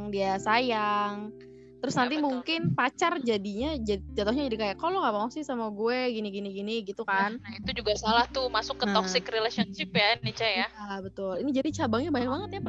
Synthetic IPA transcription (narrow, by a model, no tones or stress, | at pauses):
ŋdiasajaŋ | t̪əɾʊsnant̪̬imuŋkɪnpat͡ʃard͡ʒadiɲad͡ʒad͡ʒat̪ohɲad͡ʒadikajakɔlɔŋapaɔŋsɪhsamuɡuɛɡiniɡiniɡiniɡit̪ukannahit̪ud͡ʒuɡasalaht̪umasʊkːət̪ɔksɪkrelasiɔnʃɪpjanːit͡ʃajaabət̪ʊlinid͡ʒadit͡ʃabaŋɲabaɲak̚baŋət̪̚jap